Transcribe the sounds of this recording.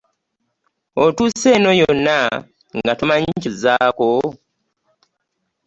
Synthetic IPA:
otuse̞ːno̞jonːa | ŋɡatumaɲicuzaːko

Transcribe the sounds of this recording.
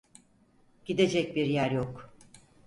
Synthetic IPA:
ɟ̥id̪e̞d͡ʒɛc̚biɾjæɾjok

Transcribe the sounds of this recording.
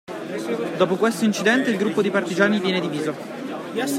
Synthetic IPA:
d̪oːpokwest̪oint͡ʃid̪ɛnt̪eilɡɾupːod̪ipart̪id͡ʒaːnivjɛːned̪iviːzo

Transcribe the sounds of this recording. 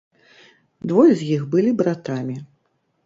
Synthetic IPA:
d̪vɔjɛzʲjixbɨlʲibɾat̪amʲi

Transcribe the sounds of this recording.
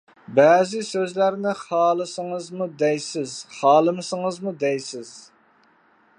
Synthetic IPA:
bɛːzɪsøzlæɾnɪχɑːlˠɨsəŋəzmud̪ɛjsɪzχɑːlˠɨmɨsəŋəzmud̪ɛjsɪz̥

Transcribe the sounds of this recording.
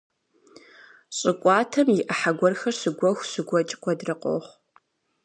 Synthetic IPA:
ɕʼɪkʷʼɑːtʰɐmjɪʔɐħaɡʷɔrxɐrɕɨɡʷɔxʷɕɨɡʷɔt͡ʃʼkʷʰʼɔdrɨqʼo̰χʷ

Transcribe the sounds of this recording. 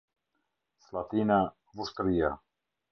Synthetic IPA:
slat̪ina | vust̪ɾija

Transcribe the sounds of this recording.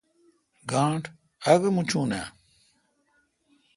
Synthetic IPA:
ɡãːʈʰ | ɐɡemut͡ɕʰuːna̰ː

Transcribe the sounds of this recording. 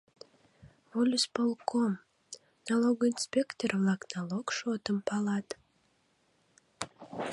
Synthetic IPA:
volʲuspolˠkom | nalˠoɡinspʲekt̪ervlɑknɑlˠokʃot̪əmpɑlɑt̪

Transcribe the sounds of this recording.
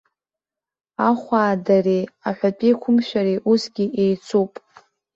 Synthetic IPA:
aχʷaːdareaħʷᶣapʼikʷʰʊmʃʷᶣaɾeʔusɡʲiʔejt͡sʰupʼ

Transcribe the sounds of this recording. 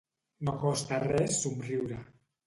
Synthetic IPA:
nokost̪arɛsːumriwɾa

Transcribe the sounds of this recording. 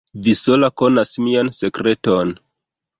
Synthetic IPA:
viso̞lako̞nasmianse̞kɾe̞ton

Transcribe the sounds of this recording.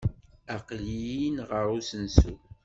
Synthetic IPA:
aqlijinʁəɾˤusənsṵ

